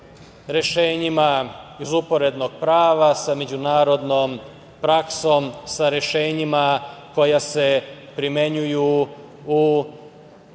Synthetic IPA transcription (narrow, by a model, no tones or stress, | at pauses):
ɾe̞ʃe̞ːɲimaizupo̞ɾe̞d̪no̞ɡ̥̚pɾaːʋasame̞d͡ʑunaːɾo̞d̪no̞m | pɾakso̞msaɾjeʃe̞ːɲimako̞jase̞pɾime̞ɲuju | u